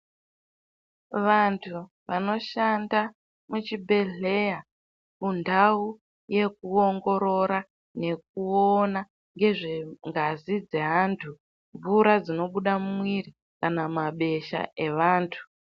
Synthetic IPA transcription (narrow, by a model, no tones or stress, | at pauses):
ʋantʰu | ʋano̞ʃanda | mut͡ʃibʱe̞ɮe̞ja | kundau | je̞k̚uo̞ŋɡo̞ɾo̞ɾa | ne̞k̚uona | ŋɡe̞ʐeŋɡazid͡ze̞ɦaːntʰu | ɱvuɾad͡zino̞ɓuɗamumwiri | kanamaɓe̞ʃa̰e̞ʋaːntʰu̥